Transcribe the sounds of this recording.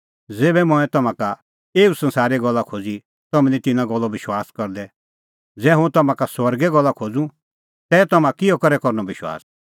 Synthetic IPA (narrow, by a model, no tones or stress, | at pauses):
d͡zeːbɛmɔ̃ɛ̃t̪ɐmãka | eːusɐ̃nsaːɾɛɡɔlːakʰoːd͡zi | t̪ɔmɛ̃nit̪ɪnãɡɔlːɔʋɪʃwaːskɐɾd̪ɛ | d͡zɛːɦũt̪ɐmãkaswɐɾɡɛɡɔlːakʰoːd͡zũ | t̪ɛːt̪ɐmãkɪjɔkɐɾɛkɔɾnɔbɪʃwa̰ːs